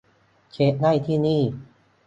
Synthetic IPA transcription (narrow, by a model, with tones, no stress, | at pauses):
t͡ɕʰe˦˥ʔ̚na˥˩jt̪ʰiː˥˩niː˥˩